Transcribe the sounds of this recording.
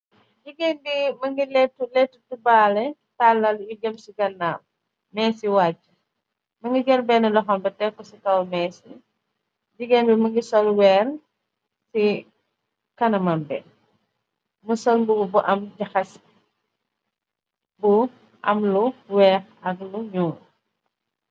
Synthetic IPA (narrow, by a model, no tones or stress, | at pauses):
ɟiɡenbimɐŋɡilɛtːulɛtːutubaːlɛtalːɐliɡɛmsiɡɐnːaːm | mɛːsiwaːcːu | mɐŋɡiɡɛlbɛnɛlɔxɐmbɐtɛkːɔsikɐwmɛːsi | ɟiɡenbimɐŋɡisɔlwɛːr | si | kɐnɐmɐmbɛ | mɐsɔlbuɡubuʔɐmɟɐxɐs | bu | ʔɐ̰mluwɛːxɐkluɲuː